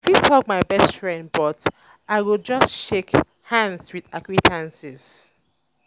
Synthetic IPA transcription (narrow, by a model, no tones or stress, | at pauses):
fitʰɔk̚maɪbɛstfɹɛ̃nd̚bɔt | aɪwilˠd͡ʒʌstʃek | hãndzwiðakwitʰãnsiz̥